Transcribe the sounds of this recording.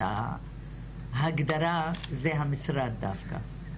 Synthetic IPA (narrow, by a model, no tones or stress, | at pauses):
a̰ | ɦaɡd̪aɾazeɦamɪsɾad̪d̪afkʰa̰